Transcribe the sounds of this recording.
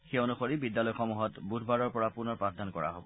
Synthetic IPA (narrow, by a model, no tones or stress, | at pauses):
xeonuxoɹibidjalɔjxɔmuɦɔtbudʱbaɹɔɹpɔɹapunɔɹpɹatdankɔɹa̰ɦo̰bɔ